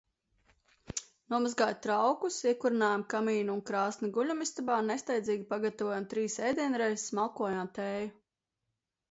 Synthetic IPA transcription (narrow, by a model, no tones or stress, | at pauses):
nuɔmazɡaːjt̪ɾawkusiɛkuɾinaːjamkamiːnuunkɾaːsniɡuʎʲumist̪abaːnest̪ajd̪ziːɡʲipaɡat̪avɔjamt̪ɾiːsɛjd̪ʲiɛnɾɛjzsmalˠkuɔjaːmt̪ɛːju